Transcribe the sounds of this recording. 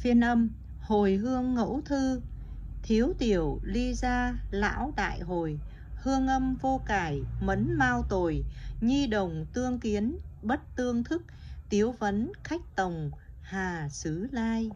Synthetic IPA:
fi˧ənʔə˧m | ho˨˩jɦɨ˧əŋːo̰˧˥wt̪ʰɨ˧t̪ʰi˨˦əwt̪i˨˩əwli˧zaː˧la̰ː˧˥wt̪a̰ː˧˨jɦo˨˩j | hɨ˧əŋʔə˧mvo˧kaː˨˩jmə˨˦nmaː˧wt̪o˨˩jɲi˧ɗə˨˩wŋ͡mt̪ɨ˧əŋki˨˦ənɓə˦˥t̚t̪ɨ˧əŋt̪ʰɨ˦˥k̚t̪i˨˦əwvə˨˦nxa˦˥jk̚t̪ə˨˩wŋ͡m | haː˨˩sɨ˨˦laː˧j

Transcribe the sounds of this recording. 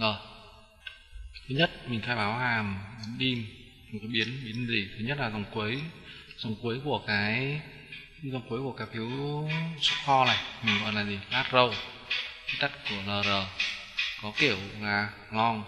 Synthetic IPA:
ʔəː˨˩ | t̪ʰɨ˨˦ɲə˦˥t̚mï˨˩ŋ̟tʰaː˧jɓaː˨˦whaː˨˩mɓi˨˦nɗi˧m˨˩ | kaː˨˦jɓi˨˦ənɓi˨˦ənzi˨˩t̪ʰɨ˨˦ɲə˦˥t̚laː˨˩za˨˩wŋ͡mku˨˦jza˨˩wŋ͡mku˨˦jku˧˩əkaː˨˦j | za˨˩ŋ͡mku˨˦jku˧˩əkaː˨˦jfʰi˨˦wsu˦˥t̚xɔ˧naː˨˩jmï˨˩ŋ̟vɔ̰˧˨jlaː˨˩zi˨˩laː˦˥t̚zə˧˩w | ki˨˦t̪a˦˥t̚ku˧˩ələː˨˩zəː˨˩ | kɔ˨˦ki˧˩əwlaː˨˩ | lɔ˧ŋ

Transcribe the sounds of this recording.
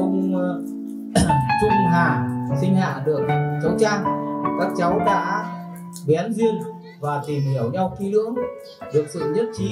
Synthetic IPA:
ʊ˧ŋ͡m | t͡ɕʊ˧ŋ͡mɦaː˨˩sï˧ŋ̟ha̰ː˧˨ɗɨ˨˩ək̚t͡ɕə˨˦wt͡ɕaː˧ŋkaː˦˥k̚t͡ɕa˨˦wɗa̰ː˧˥ | ɓɛ˨˦nzi˧ən | vaː˨˩t̪i˨˩mhi˧˩əwɲa˧wxi˨˦lɨ̰˧˥əŋ | ɗɨ˨˩ək̚sɨ̰˧˨ɲə˦˥t̚t͡ɕi˨˦

